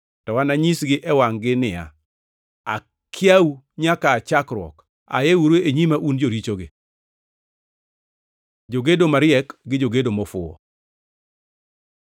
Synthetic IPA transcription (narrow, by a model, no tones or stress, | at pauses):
tɔwanaɲisɡɪʔɛwaŋɡɪnɪa̰ | a̰ | kʰjau | ɲakaːt͡ʃakɾwɔ̰k | a̰jewuɾeeɲimaʔund͡ʒoɾit͡ʃoɡɪ | d͡ʒoɡedomaɾɪɛkɡɪd͡ʒoɡedomɔfʊ̰ɔ̰